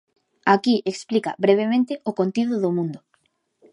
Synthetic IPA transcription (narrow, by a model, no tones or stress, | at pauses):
akiʔeksplika̰βɾeβ̞emẽnt̪ɪokont̪iðʊðʊmũnd̪ʊ